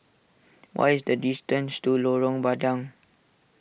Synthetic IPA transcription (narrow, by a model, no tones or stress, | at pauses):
wʔa̰jisdədistə̃nstuloɹɔ̃ŋbadãŋ